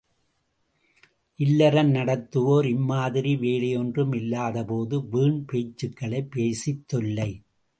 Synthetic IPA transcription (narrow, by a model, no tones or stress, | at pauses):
ʔɪlːɐɾɐnnɐɽɐt̪ːɯʋoːɾɪmːaːðɪɾiʋeːɭɪjɔndrɯmɪlːaːðɐpoːðɯʋiːɳpeːt͡ʃːɯkːɐɭɐɪpːeːsɪt̪ːɔlːɐɪ